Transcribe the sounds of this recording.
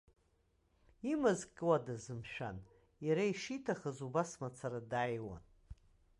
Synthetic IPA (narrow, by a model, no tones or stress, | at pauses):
imazkʼɨwadazɨmʃᶣa̰n | jaɾaiʂitʰaχazubasmat͡sʰaɾadajwa̰n